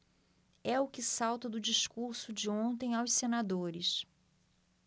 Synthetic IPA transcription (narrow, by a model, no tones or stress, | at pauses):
ɛʊkɪsawt̪ɐd̪ʊd͡ʒiʃkuɾsʊd͡ʒɪõnt̪ẽj̃awssenad̪oɾɪs